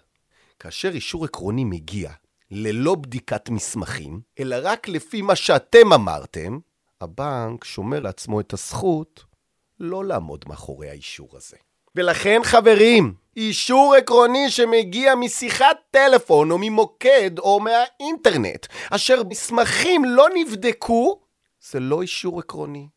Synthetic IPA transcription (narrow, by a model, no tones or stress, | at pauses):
kaːʃe̞ʁiʃuʁekʁo̞nimeɡia̰ | lelo̞bdikatmismaχḭmʔelaʁaklefimaʃeate̞mama̰ʁte̞̰m | ha̰baŋkʃo̞meʁleat͡smo̞etasχut | lo̞laːmo̞̰dmea̰χo̞̰ʁḛjha̰iʃṵʁa̰ze | ve̞laχe̞nχave̞ʁim | iʃuʁekʁo̞niʃe̞meɡiamisiχat̪ːe̞le̞fo̞nomimo̞kedo̞meainte̞ʁne̞̰t̪aʃe̞ʁismaχimlo̞nivd̪ekʰu | z̥elo̞iʃuʁekʁo̞ni